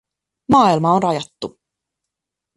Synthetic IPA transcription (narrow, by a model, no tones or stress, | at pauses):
mɑːilmɑonrɑjɑt̪ːu